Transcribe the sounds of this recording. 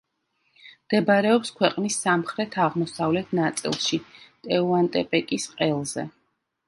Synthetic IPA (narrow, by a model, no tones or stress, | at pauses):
md̪̥ɛbaɾɛɔpskʰwɛqʼnisːamχɾɛt̪ʰaʁmɔsavlɛt̪ʰnat̪sʼḭlˠʃit̪ʼɛuant̪ʼɛpʼɛkʼisqʼɛlˠzɛ̰